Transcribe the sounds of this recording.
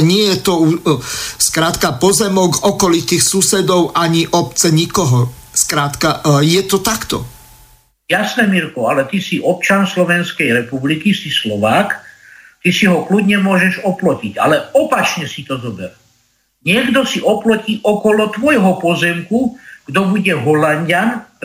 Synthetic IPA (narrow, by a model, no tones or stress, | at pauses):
ɲɪɛjɛt̪ɔuskɾaːt̪kapɔzɛmɔɡɔkɔlit̪ixsusɛd̪ɔʊʔaɲiʔɔpt͡sɛɲikɔɦɔskɾaːt̪kajɛt̪ɔt̪akt̪ɔ̰ | jasnɛmiɾkɔalɛt̪isiʔɔp̚t͡ʃanslɔʋɛnskɛjɾɛpublikisislɔʋaːkt̪isiɦɔklud̪ɲɛmʊɔʒɛʒɔplɔciɟa̰lɛɔpat͡ʃɲɛsit̪ɔzɔbɛɾ | ɲɪɛɡd̪ɔsiʔɔplɔciːʔɔkɔlɔt̪ʋɔjɦɔpɔzɛmkuɡ̥d̪ɔbuɟɛɦɔlaɲɟan